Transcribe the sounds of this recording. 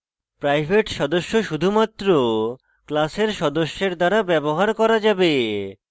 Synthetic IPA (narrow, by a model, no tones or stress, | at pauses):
pɾajbʱeʈʃɔd̪oʃːoʃud̪ʱumat̪ːɾo | klaseɾʃɔd̪oʃːeɾd̪aɾabɛboɦaɾkɔɾad͡ʑabe